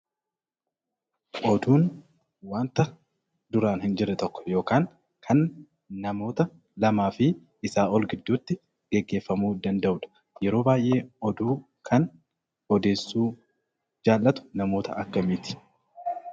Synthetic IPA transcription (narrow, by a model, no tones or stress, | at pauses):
ʔɔd̪uːn | waːnt̪ɐ | d̪ʊɾaːnhɪnd͡ʒɪɾːɛt̪ɔkːɔ̥jo̞ːkaːŋ | kʰɐnː | ɐmo̞ːt̪ɐ | lɐmaːfɪ | ɪsaːɔlɡɪd̪ːuːt̪ːɪ | ɡɛɡːe̞ːfːɐmuːd̪ɐnd̪ɐʔʊᶑɐ̥ | jɛɾo̞ːbaːjʔe̞ːɔd̪uː | kʰɐn | ɔd̪e̞ːsːuː | d͡ʒaːlːɐt̪ʊ̥nɐmo̞ːt̪ɐ̰ʔɐkːɐmiːt̪ɪ̥